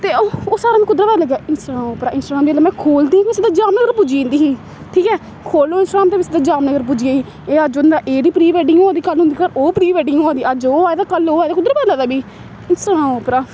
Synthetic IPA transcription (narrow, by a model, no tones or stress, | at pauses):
t̪eːooːsaːɾaːnikʊd̪ɾəpɛːləɡjaːɪnsɾãːmoːpɾaːʔɪnsʈːɡɾaːmbieːlaːmɛ̃ːkʰoːld̪ĩːɪsɪd̪aːd͡ʒaːmnəɡəɾpʊd͡ʒĩːnd̪iːɦiː | ʈʰiːkɛː | kʰoːloːɪnsʈːɾaːmt̪eːʋɪsɪd̪aːd͡ʒaːmnəɡəɾp̬ʊd͡ʒiːaːiː | eːəd͡ʒʊnd̪aːʔeːd̪iːpɾiːʋɛːɖɪŋɡoːad̪iːkəlɦʊ̃nd̪iːkəɾoːpɾiːʋɛːɖɪŋɡoːaːd̪iːəd͡ʒoːaːed̪aːkəloːaːjd̪akʊd̪ɾəpɛːlaːd̪aːbiː | ɪnsaɾãːoːpɾaː